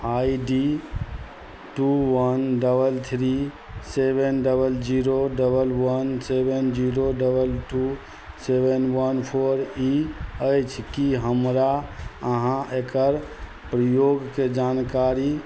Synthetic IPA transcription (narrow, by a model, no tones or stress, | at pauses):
aiɖi | ʈuwənɖəbəlt̪ʰɾi | sebenɖəbəld͡ʒiɾoɖəbəlwənsebend͡ʒiɾoɖəbəlʈu | sebənwənpʰoɾiəjt͡ʃʰkiɦəmɾaəɦãekəɾ | pɾəjoɡked͡ʒankaɾi